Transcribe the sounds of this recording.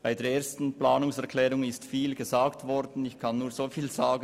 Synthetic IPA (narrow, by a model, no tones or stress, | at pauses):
b̥aɪdeːɐeːɐstn̩plaːnʊŋsɛʁkʰlɛːʁʊŋɪstfiːlɡ̥əzaːktvɔɾdn̩ɪçkʰanːuːɐz̥oːfiːlzaːɡə